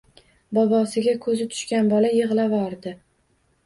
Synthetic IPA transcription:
bɒbɒsɪɡʲakʰɵzɪt̪ʰʊ̥ʃkʲanbɒlajɨʁlˠavɒɾd̪ɪ

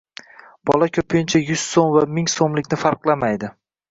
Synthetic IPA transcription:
b̥ɒ̰lakʲʰɵpʰɪjɪnt͡ʃʰajʊz̥somvamɪŋsomlɪkʲnɪfaɾqlˠamajd̪ɪ

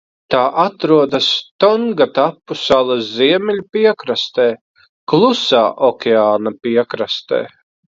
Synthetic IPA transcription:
t̪aːʔat̪ɾuɔd̪ast̪ɔŋɡat̪apːusalˠaziɛmɛʎʲpiɛkɾast̪eː | klˠusaːʔɔkʲeaːnapiɛkɾast̪ḛː

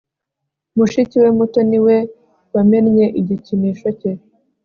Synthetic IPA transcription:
muʃiciwemuto̞niwe | wamenɲe̞ʔiɟicimiːʃo̞ce

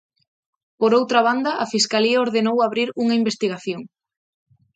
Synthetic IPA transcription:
poɾowt̪ɾɐβ̞and̪ɐʔafiskaliɐoɾðenowaβɾiɾuŋɐimbest̪iɣ̞aθjoŋ

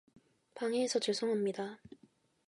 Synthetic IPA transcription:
paŋeːsʰʌt͡ɕɯɭs͈ʰoŋɦamɲida

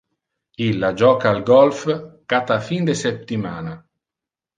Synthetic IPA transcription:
ilːad͡ʒɔːkaːlɡɔlfkat̪afind̪esɛtt̪ːimaːna

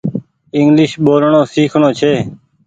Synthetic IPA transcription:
ɪŋɡlɪʃɓoːlɳõːsiːkʰɳõːt͡ʃʰeː

